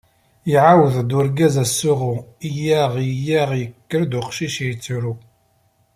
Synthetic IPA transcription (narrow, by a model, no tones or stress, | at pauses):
jiʕawəðd̪ʊɾɡæzæsːuʁuijæʁjjæʁjəkːəɾd̪ʊqʃiʃit͡sːuɾu